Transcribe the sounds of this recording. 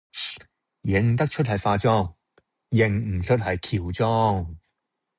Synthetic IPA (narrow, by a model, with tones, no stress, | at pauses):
jɪ˨˧ŋt̪ɐ˥k̚t͡ʃʰɵ˥t̚hɐ˨jfaː˧t͡sɔː˥ŋ | jɪ˨˩ŋm̩˨˩t͡ʃʰɵ˥t̚hɐ˨jkʰiː˨˩wt͡sɔː˥ŋ